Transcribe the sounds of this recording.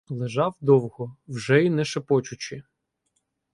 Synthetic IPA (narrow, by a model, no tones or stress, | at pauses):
lˠeʒɑwd̪ɔwɦɔwʒɛinɛʃepɔt͡ʃʊt͡ʃɪ